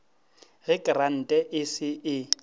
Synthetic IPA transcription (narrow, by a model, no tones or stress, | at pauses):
ɣɪkʼran̩tʼɛʔɪsɪʔɪ